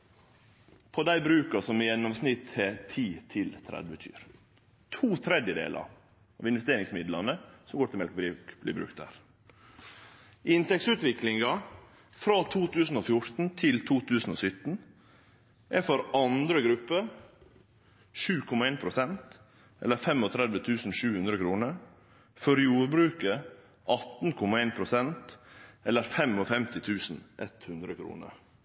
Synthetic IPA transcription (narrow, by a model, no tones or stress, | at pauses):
pʰɔd̪æɪbɾʉːkɑsɔmjɛnːɔmsnɪt̪ʰɛt̪ʰiːt̪ʰɪlt̪ʰɾɛ̰d̪ʋət̪ʰy̰ːɾ | t̪ʰuːt̪ʰɾɛd̪jəd̪ḛːlʔɑ̰ɾ | ɑ̰ːʋɪnʋɛst̪eːɾɪŋsmɪd̪lɑnəsɔmɡoːʈ̪ɪlmɛlkbɾikb̥lḭːbɾʉ̰kt̪dæ̰ːɾ | ʔɪnt̪ɛksʉːt̪ʋɪklɪŋɡɑ | fɾɑːt̪ʰuːt̪ʰʉːsn̩oːfjʊɾt̪n̩t̪ʰɪlt̪ʰuːt̪ʰʉːsn̩ɔːsʏt̪n̩ | ʔæfɔɾʔɑnd̪ɾəɡɾʉpːə | ʃʉːkʰɔmɑeːnpʰɾʊsɛnt̪ | ʔɛləɾfɛmɔt̪ʰɾɛd̪ʋət̪ʰʉːsn̩ʃʉːhʉnd̪ɾəkʰɾuːnəɾ | fɔɾjuːɾbɾʉːkə | ʔɑt̪n̩kʰɔmɑeːnpʰɾʊsɛnt̪ɛlːəɾfɛmɔfɛmt̪ɪt̪ʰʉːsn̩ʔɛt̪hʉnd̪ɾəkʰɾṵːnə̰ɾ